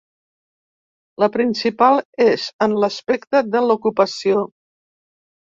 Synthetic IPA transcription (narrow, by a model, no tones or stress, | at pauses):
ləpɾinsipalˠezənləspɛkt̪əðəlukupəsio